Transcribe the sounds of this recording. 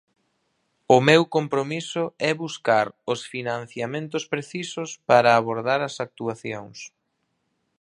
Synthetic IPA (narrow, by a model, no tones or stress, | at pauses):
ʊmewkompɾomisʊɛβuskaɾʊsfinãn̟θjamẽnt̪ʊspɾeθisʊspaɾɐːβoɾðaɾɐsak̚t̪uaθjoŋs